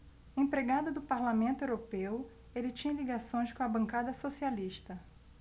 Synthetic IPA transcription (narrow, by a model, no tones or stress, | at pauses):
ẽpɾeɡad̪ɐd̪ʊpaɾlamẽnt̪ʊewɾopew | elɪt͡ʃĩɲɐ̃liɡasõj̃skõɐbɐ̃ŋkad̪ɐsosialiʃt̪ɐ